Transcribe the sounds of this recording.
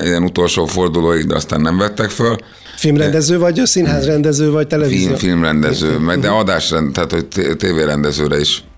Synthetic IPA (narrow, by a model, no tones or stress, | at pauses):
ɛɛnut̪o̞lʃoːfo̞rd̪uloːjiɡd̪ɛ̰ɒst̪aːnːɛɱvɛt̪ːɛkføl | filmrɛnd̪ɛzøːvɒɟsinɦaːzrɛnd̪ɛzøːvɒct̪ɛlɛvizifilmrɛnd̪ɛzøːmɛɡd̪ɛɒd̪aːʃrɛnt̪aːt̪ho̞ɟt̪et̪eːveːɾɛnd̪ɛzøːɾɛiʃ